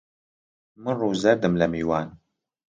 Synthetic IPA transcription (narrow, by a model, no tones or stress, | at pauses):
mɨnruːzɐɾd̪ɨmlɐmiːwaːn